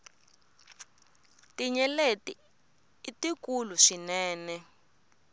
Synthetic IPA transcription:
tiɲɛleti | itikuluʂinɛːnɛ

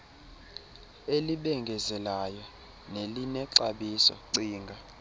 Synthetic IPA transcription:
eliɓɛŋɡʱɛzɛlajɔ | nelinɛǀaɓisɔ̰ǀiːŋɡʱa

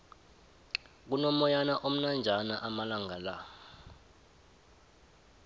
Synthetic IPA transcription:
k̬unɔmɔjanaʔom̩nand͡ʒʱanaʔamalaŋala

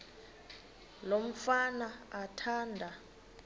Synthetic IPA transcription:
lom̩fanaatʰaːndʱa

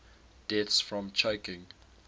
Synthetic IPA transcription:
d̥ɛtsfɹɔ̃mt͡ʃʰəʊkɪ̃ŋ

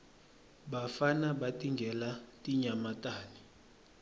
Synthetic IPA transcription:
bafanaɓatʼiŋɡʱɛlatʼiɲamatʼaːni

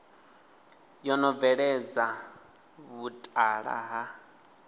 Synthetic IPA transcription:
jɔnɔvɛɺɛd͡za | βutʼaɺa̰ɦa

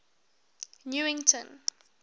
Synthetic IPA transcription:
njuɪ̃ŋtʰə̃n

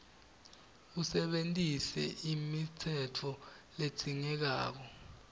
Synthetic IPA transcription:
usɛɓentʼisɛ̰imitʰɛtʰɔlet͡sʰʼiŋɛk̬a̰ːk̬ɔ

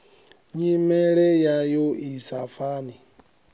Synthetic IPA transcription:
ɲimeɾejajoisafani

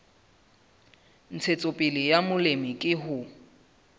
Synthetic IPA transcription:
n̩t͡sʰet͡sʼopʼɪlɪjamʊlemɪkʼɪɦʊ

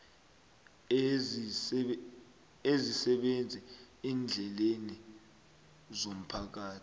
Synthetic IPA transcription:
ezisɛɓend͡zʱɛ | iːnd͡ɮʱɛleni | zom̩pʰak̬aːtʰi̥

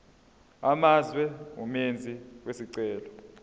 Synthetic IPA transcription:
amazwɛṵmend͡zʱiwesiǀɛːlɔ

